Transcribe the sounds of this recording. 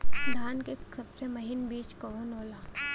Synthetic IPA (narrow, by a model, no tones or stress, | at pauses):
d̪ʱaːnkesɐbsemɐɦɪnbiːt͡ʃkɐʋonoːlaː